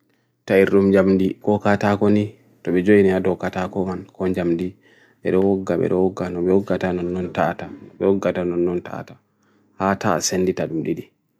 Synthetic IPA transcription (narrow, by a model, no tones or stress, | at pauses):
taiɾɗumɲd͡ʒamdikɔkatakɔni | tɔɓɛd͡ʒojinɛadɔwkatakɔmankɔɲd͡ʒamdi | ɓɛ̰ɗɔwɔɡːaɓɛ̰ɗɔwɔɡːanɔɓɛwɔɡːatanɔnːɔnta̰tanɔɓɛwɔɡːatanɔnːɔnta̰tḁ | hatasenditaɗumɗiɗi